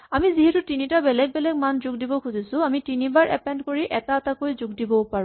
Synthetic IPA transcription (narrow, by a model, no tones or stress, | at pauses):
amiziɦɛtʊtinitabɛlɛɡ̚bɛlɛɡmanzuɡdibɔkʰuzisʊ̃amitinibaɹʔɛpɛndkoɹiʔɛtaːtakojzʊɡ̚dibɔpaɹ